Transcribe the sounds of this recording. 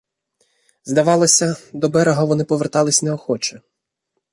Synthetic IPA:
zd̪ɐʋɑlˠɔsʲɐd̪ɔbɛɾɛɦɔʋɔnɪpɔʋert̪ɑlˠɪsʲnɛɔxɔt͡ʃɛ

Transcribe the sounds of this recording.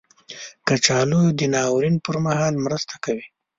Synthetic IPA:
kat͡ʃɑlojod̪ənɑwɾinpəɾmahɑlmɾəst̪ʰḁkawi

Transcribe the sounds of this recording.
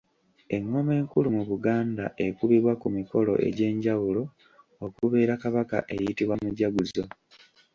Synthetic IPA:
e̞ŋːo̞me̞ːŋkulumuβuɡaːndaʔe̞kuβiβwakumiko̞lo̞̰ʔe̞̰ɟe̞ːɲɟawulo̞ | okuβe̞ːɾakaβaka̰ʔe̞jitiβwamuɟaɡuzo

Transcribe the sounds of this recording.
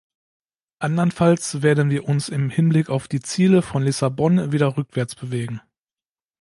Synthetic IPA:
ʔandɐnfalsv̥eːɐdən̩viːɐʔʊnsɪmhɪnblɪkaʊfd̥iːt͡siːləfɔnlɪsabɔnviːdɐʁʏkv̥ɛɐt͡sb̥əveːɡŋ̩

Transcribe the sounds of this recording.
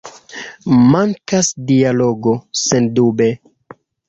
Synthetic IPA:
maŋkasdialo̞ɡosendube̞

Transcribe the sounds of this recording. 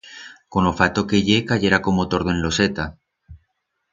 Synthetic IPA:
konofat̪okeʝekaʝeɾako̞mot̪o̞ɾðoenlo̞set̪a

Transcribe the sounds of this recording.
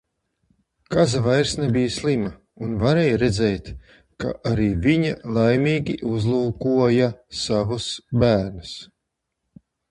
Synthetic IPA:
kazavajɾsnɛbijslˠima | unvaɾeːjɾɛd̪zɛjt̪ | ka̰ʔaɾiːviɲalˠajmʲiːɡʲiʔuzlˠuːkuɔjasavusbæːɾnɨs

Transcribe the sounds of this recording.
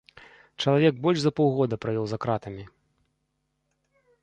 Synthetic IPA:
t͡ʂɐlˠavʲɛɡbɔlʲʐzɐpɔwɣɔd̪ɐpɾavʲɔwzakɾat̪ɐmʲi

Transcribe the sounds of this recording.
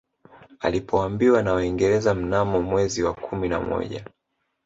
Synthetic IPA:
a̰lipʰɔambiwanawaiŋɡɛɾɛzam̩namɔmwɛziwakʰumina̰mɔ̰ʄa̰

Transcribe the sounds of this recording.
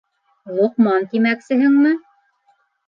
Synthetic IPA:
lˠŏqmɑnt̪imæksɘ̆ɦɘŋmɘ

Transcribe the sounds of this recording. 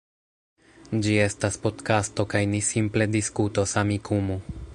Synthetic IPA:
d͡ʒie̞staspo̞tkasto̞kajnisimple̞diskuto̞samikʰumu

